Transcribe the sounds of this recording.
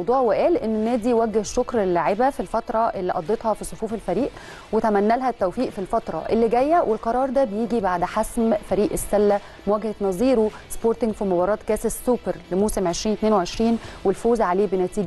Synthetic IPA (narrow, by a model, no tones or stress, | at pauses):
wd̪ˤuːʕweʔæːlʔenːenːæːd̪iwæɡːehʃokɾelːaʕebæfilfɑt̪ɾˤɑʔelːiʔɑd̪ˤːet̪hɑfisˤofuːfelfæɾiːʔ | wet̪æmænːælɦæt̪ːæwfiːʔfilfɑt̪ɾˤɑ̰ʔelːiɡæjːæwʔelqɑɾˤɑːɾˤd̪æbejiːɡibaʕd̪ħasmfæɾiːʔesːælːæ | mwæɡhenɑzˤiːɾu | spoːɾt̪ɪŋɡfimobɑɾˤɑːt̪kæːsessːuːpeɾlemuːsemʕeʃɾiːnt̪neːnweʕeʃɾiːnwelfoːzʕaleːbenæt̪iːɡ